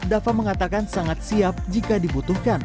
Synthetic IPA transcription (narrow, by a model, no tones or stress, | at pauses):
dafaməŋat̪akansaŋat̪̚siap̚d͡ʒikadibut̪uhkan